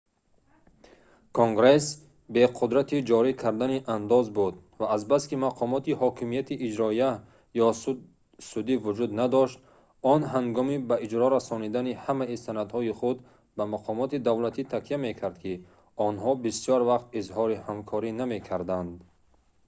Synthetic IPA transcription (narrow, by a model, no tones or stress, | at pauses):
kʰoŋɡɾes | be̞qʰud̪ɾat̪ʰid͡ʒɔɾikʰaɾd̪aniʔand̪ɔzbud̪ | vaːzbaskimaqʰɔmɔt̪ihɔkʰimijat̪ʰiʔːd͡ʒɾɔija | jɔ | sud̪ivud͡ʒud̪nad̪ɔʃt̪ | ɔnɦaŋɡɔmibaid͡ʒɾɔɾasɔnid̪anihamaisanad̪hɔiχud̪ | bamaqʰɔmɔt̪id̪avlat̪ʰit̪ʰakʰijame̞kʰaɾd̪kʰi | ɔnhɔbisjɔɾvaqt̪izhɔɾihamkʰɔɾiname̞kʰaɾd̪and̪